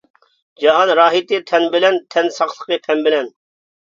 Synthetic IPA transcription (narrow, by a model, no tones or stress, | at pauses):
d͡ʒɑɦɑnɾɑːɦit̪ɨt̪ʰɛnbɪlɛnt̪ʰɛnsɑχlˠəqɨpʰɛnbɪlɛn